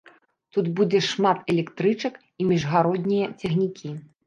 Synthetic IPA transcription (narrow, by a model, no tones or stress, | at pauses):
t̪ud̪bud͡zʲɛʂmat̪ɛlʲɛkt̪ɾɨt͡ʂɐk | imʲiʐɣaɾɔd̪nʲijɐt͡sʲɛxnʲikʲʰi